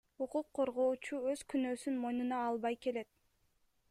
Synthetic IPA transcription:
uquqʰːo̞ɾʁo̞ːt͡ʃuøz̥kynø̞ːsynmo̞jnunɑːlˠβɑjke̞le̞t̪̚

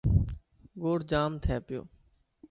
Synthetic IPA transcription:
ɡoːɽd͡ʒaːmt̪ʰɛːpɪjo̰ː

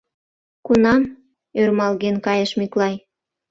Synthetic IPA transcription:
kunɑm | ørmɑlɣenkɑjəʃmiklɑj

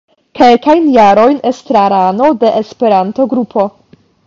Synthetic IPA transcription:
ke̞lkajnjaɾo̞jne̞stɾaɾano̞de̞ʔespe̞ɾanto̞ɡɾupʰo̞

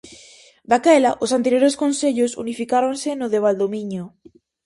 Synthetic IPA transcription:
d̪akɛlaʔosant̪eɾjoɾeskonseʎʊsṵnifikaɾonsɪnʊðeβ̞ald̪omiɲʊ

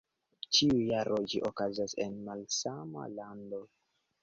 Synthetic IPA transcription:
t͡ʃiujaɾʔod͡ʒiʔokazasḛnmalsama̰lando̞

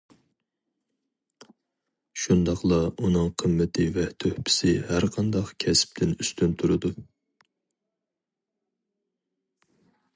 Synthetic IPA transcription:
ʃund̪ɑqlˠɑunɨŋqʰəmːɪt̪ʰɪvɛt̪ʰøhpʰɪ̥sɪhæɾqʰɑnd̪ɑqkʲʰɛsp̚t̪ʰɪnyst̪ʰynt̪ʰuɾɨd̪u

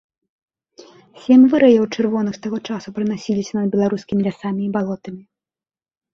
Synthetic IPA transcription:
sʲɛmʲvɨɾɐjɛwt͡ʂɨrvɔnɨxst̪aɣɔt͡ʂasupɾɨnasʲilʲisʲɐnɐd̪̚bʲɛlˠaɾuskʲimʲilʲasamʲiːbalˠɔt̪ɐmʲi

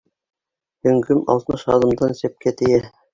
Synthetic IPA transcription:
hɵ̆ŋɡɵmɑ̰lˠt̪mɤʃɑðɤ̆md̪ɑnsæ̆p̚kæt̪ɘ̆jæ

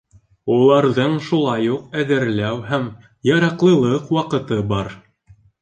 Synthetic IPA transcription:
ulˠɑɾðɤɴʃulˠɑjuqæðɘ̆ɾlæwɦæm | jɑɾɑqlˠɤ̆lˠɤqwɑqɤ̆t̪ɤbɑɾ

